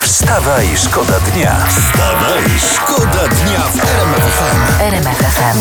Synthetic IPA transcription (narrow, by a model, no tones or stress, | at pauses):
fst̪avaiʂkɔd̪ad̪ɲa̰ | st̪ava | ḭʂkɔd̪ad̪ɲafɛɾɛmɛfɛfɛm | ɛɾɛmɛfɛfɛm